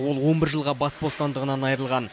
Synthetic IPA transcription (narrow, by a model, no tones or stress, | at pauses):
wo̞lˠwo̞nbɪɾʒəlˠʁɑbɑsbo̞st̪ɑnd̪əʁənɑnɑjəɾəlˠʁɑn